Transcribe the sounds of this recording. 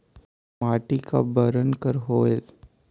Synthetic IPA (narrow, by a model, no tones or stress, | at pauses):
maːʈika̰bəɾənkəɾɦoːel